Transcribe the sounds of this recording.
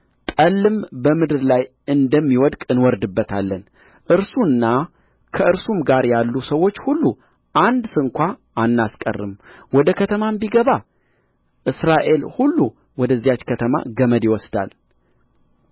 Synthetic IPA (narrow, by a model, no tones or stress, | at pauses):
t̪ʼəlːɨmbəmɨd̪ɨɾlaj | ɨnd̪əmːiwɔd̪kʼɨnwɔɾd̪ɨbːət̪ʰalːən | ʔɨɾsunːa | kʰəɨɾsumɡaɾjalːusəwo̞t͡ʃːhulːu | ʔand̪sɨŋkʷaʔanːaskʼə̰rːɨmwɔd̪əkʰət̪ʰəmambiɡəβa | ʔɨsɾaʔe̞lhulːu | wɔd̪əzːijat͡ʃːkʰət̪ʰəma̰ɡəməd̪jɪwɔsd̪a̰l